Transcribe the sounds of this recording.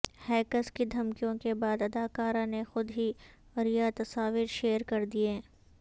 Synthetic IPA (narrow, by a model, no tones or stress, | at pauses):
hɛːkəskid̪ʱɐmkijõkebaːd̪ɐd̪aːkaːɾãnexʊd̪ɦi | ɐɾijat̪ɐsaːʋiɾʃeːəɾkɐɾd̪ie